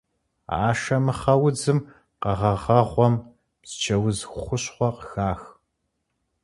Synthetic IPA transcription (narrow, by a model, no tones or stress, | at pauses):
a̰ːʃɐmɨχɐwʊd͡zɨm | qɐʁɐʁɐʁʷɔm | z̥ɨ̥t͡ʃʰɐwʊzxχʷʊɕχʷɔqxaːx